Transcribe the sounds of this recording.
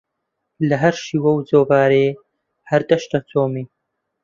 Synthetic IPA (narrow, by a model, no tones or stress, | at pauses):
lɐɦɐɾʃiːwɐwzoːvaːɾeː | hɐɾd̪ɐʃt̪ɐt͡sʰoːmiː